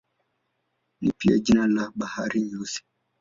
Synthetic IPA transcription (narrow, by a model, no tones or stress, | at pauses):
nipia̰d͡ʒinalaɓahaɾiɲusi̥